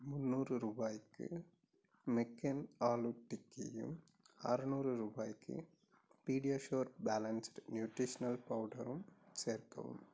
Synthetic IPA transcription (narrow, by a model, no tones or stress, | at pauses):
mʊnːuːrɯɾuːbaːjkːɯ̰ | mɛkːɐnaːluʈːɪkːɪ̰jɯ̰m | ɐ̰ɾɯnuːrɯɾuːbaːjkːɯ̰ | piːɽijaːʃoːɾbaːlɐnsɾnjuːʈiʃɐnɐlpɐʋɖɐɾɯmseːrkɐ̰ʋɯ̰m